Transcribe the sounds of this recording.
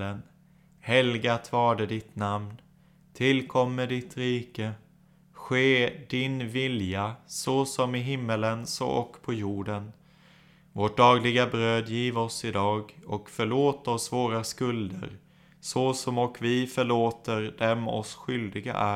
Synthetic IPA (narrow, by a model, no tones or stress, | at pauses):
ən | hɛlɡat̪ʰvɑːɖəd̪ɪt̪namn | t̪ʰɪlkʰɔmːəɖɪt̪ɾiːkə | ɧeːd̪ɪnvɪljasɔsɔmɪɦɪmːələnsɔ̰ʔɔkːpʰɔjuːɖən | voːʈ̚ɖ̪ɑːɡlɪɡabɾøːd̪jiːvɔsɪd̪ɑːɡɔkfœɭoːt̪ɔsvoːɾaskɵld̪ə̰ɾ | sɔsɔmɔkvɪfœɭoːt̪əɾd̪ɛmɔ̰sɧʏld̪ɪɡa̰ʔæ